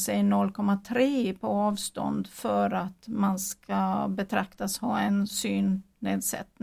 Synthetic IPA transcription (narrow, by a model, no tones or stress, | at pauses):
sɛjnɔlːkʰɔmːat̪ʰɾeːpʰɔɑːvst̪ɔ̰nd̪fœɾat̪manskabɛt̪ʰɾakt̪ashɑːɛnsyːnː | eːd̪sɛ̰t̪ːn